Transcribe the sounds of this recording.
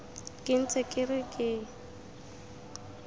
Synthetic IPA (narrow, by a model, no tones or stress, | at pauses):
kʼɪn̩t͡sʰʼekʼɪrɪkʼɪ